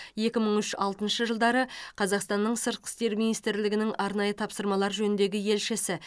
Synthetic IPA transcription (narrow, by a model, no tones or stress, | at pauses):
je̞kʲɪməɴʏʃɑ̰lˠt̪ənʃəʒəlˠd̪ɑɾəqʰɑzɑqst̪ɑnːəɴsəɾt̪̚qʰə̥st̪e̞ɾminijst̪ɾlɪɡʲɪnɪŋɑɾnɑjət̪ʰɑpsəɾmɑlˠɑɾʒɵnɪnd̪e̞ɡʲɪje̞lʃɪsɪ